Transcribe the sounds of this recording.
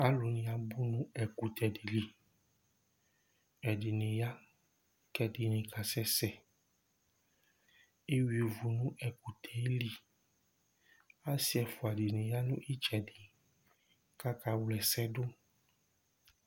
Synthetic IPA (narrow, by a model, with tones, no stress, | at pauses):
a˦lu˨nĩ˨a˨bu˦nũ˦ɛ˨ku˨t̪ʰɛ˨di˨li˨˦ | ɛ˨di˨nĩ˨ja˦ | kɛ˨di˨nĩ˨ka˨sɛ˦sɛ˨ | e˦wi˨o˨vu˨nũ˦ʔɛ˨ku˨t̪ʰɛ˨e˦li˦ | a˦si˦ɛ˨fu˨a˨di˨nĩ˨ja˦nũ˦ʔi˦t͡ʃɛ˨di˨ | ka˦ka˨wlɛ˨sɛ˦dʊ˦